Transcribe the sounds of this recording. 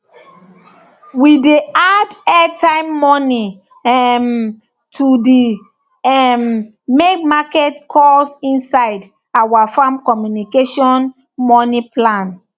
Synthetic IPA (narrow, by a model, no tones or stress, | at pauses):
wideadɛtʰãɪ̃mːɔni | ɛm | tʰudi | ɛm | mekmakɛtkʰɔsĩnsaɪd | awafãmkɔmjunikeʃɔ̃n | mɔniplãn